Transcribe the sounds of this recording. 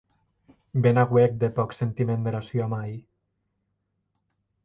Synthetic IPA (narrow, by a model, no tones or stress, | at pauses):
benaɣwek̚d̪epɔksent̪imend̪eɾasjoamaj